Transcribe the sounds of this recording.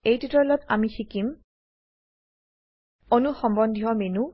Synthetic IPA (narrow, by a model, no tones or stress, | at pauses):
ejtitɔlɔtamixikim | onuxɔmbɔndʱiɦɔmenu